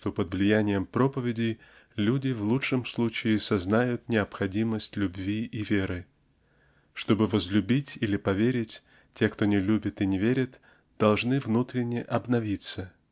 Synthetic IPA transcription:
ʂt̪o̞pəd̪vlʲɪjænʲɪjəmpɾo̞pəvʲɪdʲɪj | lʲudʲɪvlˠuʂɨmslˠut͡ɕɪːsɐznajʊt̪nʲɪɐpxɐdʲiməsʲtʲlʲʉbvʲiʔivʲeɾɨ | ʂt̪o̞bɨvəzlʲʉbʲitʲilʲɪpɐvʲeɾʲɪtʲ | tʲekt̪o̞nʲɪlʲubʲɪt̪ɪnʲɪvʲeɾʲɪt̪ | d̪̥ɐlˠʐnɨvnut̪ɾʲɪnʲːɪʔɐbnɐvʲit̪sə

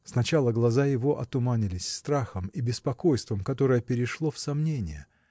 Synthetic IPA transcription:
snɐt͡ɕalˠəɡlˠɐzajɪvo̞ʔɐt̪ʊmanʲɪlʲɪsʲst̪ɾaxəmibʲɪspɐko̞jst̪vəmkɐt̪o̞ɾəjəpʲɪɾʲɪʂlˠo̞fsɐmnʲenʲɪ̰jə̰

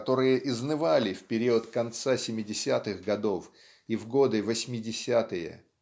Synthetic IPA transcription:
t̪o̞ɾɨjəʔɪznɨvalʲɪfʲpʲɪɾʲiət̪kɐnt̪sasʲɪmʲɪdʲɪsʲat̪ɨɣɡɐd̪o̞f | ivɡo̞d̪ɨvɐsʲmʲɪdʲɪsʲat̪ɨjə̰

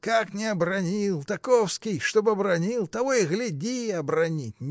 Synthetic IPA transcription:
kaknʲɪɐbrɐnʲilˠt̪ɐkofskʲɪjʂt̪obɨɐbɾɐnʲilˠt̪ɐvojɣlʲɪdʲiɐbrɐnʲit̚ʲnʲ

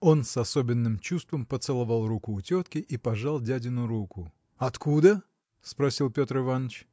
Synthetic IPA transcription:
o̞nsɐso̞bʲɪnːɨmt͡ɕust̪vəmpət̪sɨlˠɐvɑlˠrukʊːtʲot̪kʲɪʔipɐʐalˠdʲædʲɪnʊɾukʊ | ɐt̪kud̪ə | spɾɐsʲilˠpʲo̞t̪rɨvanət͡ɕ

